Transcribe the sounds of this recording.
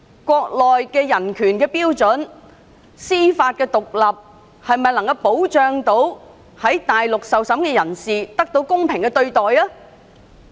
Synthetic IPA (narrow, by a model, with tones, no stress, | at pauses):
kʷɔː˧k̚lɔː˨jkɛː˧jɐ˨˩nkʰyː˨˩nkɛː˧piː˥wt͡sɵ˨˥n | siː˥faː˧t̚kɛː˧t̪ʊ˨k̚lɐ˨p̚ | hɐ˨jmɐ˨jlɐ˨˩ŋkɐ˧wpo˨˥wt͡ʃœː˨˧ŋt̪o˨˥w | hɐ˨˥jt̪aː˨jlʊ˨k̚sɐ˨wsɐ˨˥mkɛː˧jɐ˨˩nsiː˨t̪ɐ˥k̚t̪o˨˥wkʊ˥ŋpʰɪ˨˩ŋkɛː˧t̪ɵ˧ɥt̪ɔː˨jlaː˥